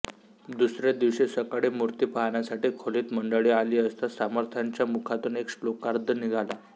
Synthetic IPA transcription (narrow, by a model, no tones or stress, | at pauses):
d̪usɾed̪iʋɕesəkaɽiːmuɾt̪iːpaɦanjasaʈiːkʰoliːt̪məɳɖəɭiːaliːəst̪asaməɾt̪ʰjaɲt͡ɕjamukʰat̪uːneksʈlokaɾd̪ʱəniɡʱala